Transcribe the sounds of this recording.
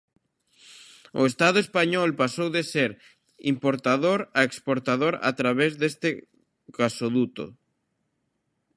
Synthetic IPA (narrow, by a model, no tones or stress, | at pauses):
ʊ̰est̪aðʊespaɲɔlpasowðeseɾ | ḭmpoɾt̪aðoɾaekspoɾt̪aðoɾa̰t̪ɾaβezðest̪ɪ | kasoðut̪o̰